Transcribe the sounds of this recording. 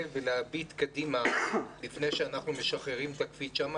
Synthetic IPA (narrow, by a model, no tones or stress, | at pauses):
veleabit̪kadimalifne̞jʃeanaχnumeʃaχeʁimt̪akfit̪ʃama